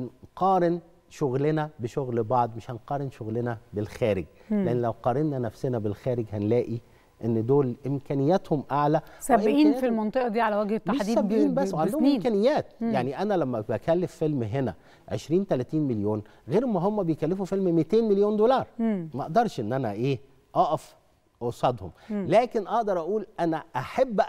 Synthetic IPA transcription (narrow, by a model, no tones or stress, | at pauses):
nqɑːɾen | ʃoɣlenæbeʃoɣlbɑʕd̪ˤmeʃhænqɑːɾenʃoɣlenæbelxæːɾeɡeʔenːlæwqɑːɾenːænæfsenæbelxæːɾeɡhænlæːʔi | ʔenːd̪oːlʔemkæːnejːæt̪homʔaʕlæsæʔeʔiːnːfilmɑnt̪ˤeʔɑd̪iːʕalæwæɡhet̪ːaħd̪iːsæbʔiːnbæsːwʕand̪ohomʔeːkænejːæːt̪̚jaʕniʔænælæmːæbækælːefːelmɦenæ̰ | ʕḛʃɾiːnt̪ælæt̪iːnmeljoːnɣeːɾmæɦomːæbejkælːefufelmmet̪eːnmeljoːnd̪olɑːɾˤmæʔeʔd̪ɑɾˤʃʔenːʔænæʔeː | ʔɑʔɑf | ʔosˤɑd̪homlæːkenʔɑʔd̪ɑɾˤʔæʔuːlʔænæʔaħabː